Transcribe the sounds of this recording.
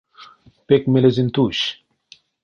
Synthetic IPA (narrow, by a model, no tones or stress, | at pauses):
pekmelezint̪uːɕ